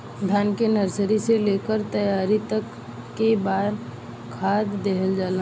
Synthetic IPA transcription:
d̪ʱjaːnkenəɾsəɾiseleːkəɾt̪əjaːɾit̪əkː | ebaːd̪ | kʰːaːd̪ːeɦəld͡ʒaːla

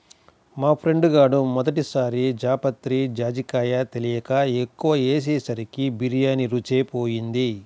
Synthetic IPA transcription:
maːpʰɾe̞ɳɖɡaːɽumɔd̪ɐʈisaːɾid͡ʒaːpɐt̪ɾid͡ʒaːd͡ʒikaːjat̪e̞lijɐkaekːuʋɐeːs̬eːsɐɾikibiɾijaːniɾut͡ʃeːpo̞ːjind̪i

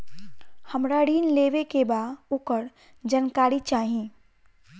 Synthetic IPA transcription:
həmɾaɽiːnleːʋekebaːdʊkəɾ | d͡ʒənkaːɾit͡ʃaːɦĩ

